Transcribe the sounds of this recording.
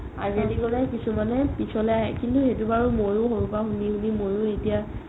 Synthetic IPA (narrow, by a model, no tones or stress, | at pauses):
a̰zedikɔlɛkisumanɛpisɔlɛaɦɛ̰kintuxetubaɹumoɹuxoɹupaxunihunimoɹʊetija